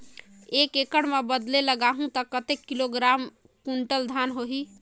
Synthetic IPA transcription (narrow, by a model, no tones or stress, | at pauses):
ekekəɽmebəd̪leləɡaɦũt̪əkət̪ekːiloɡɾam | kuɳʈəld̪ʱanɦoɦi